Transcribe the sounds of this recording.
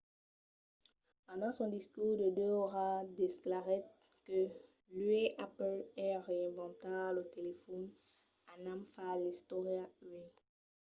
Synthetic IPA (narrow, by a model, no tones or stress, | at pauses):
pɑ̃d̪ɑ̃sɔ̃d̪iskuːʁd̪əd̪øoʁad̪esklaʁɛ | kə | lyeʔaplɛʁeɛ̃vɑ̃t̪alət̪elefɔn | anamfalist̪ɔʁjaɥe